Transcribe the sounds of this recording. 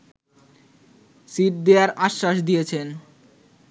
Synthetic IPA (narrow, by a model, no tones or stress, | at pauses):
siʈ̚d̪eaɾaʃːaʃd̪ijet͡ɕʰen